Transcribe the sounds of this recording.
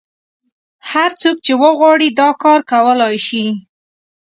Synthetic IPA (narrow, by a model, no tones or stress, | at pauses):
haɾt͡sok̚t͡ʃewəɣwɑɽid̪ɑkɑɾkawəlɑjʃi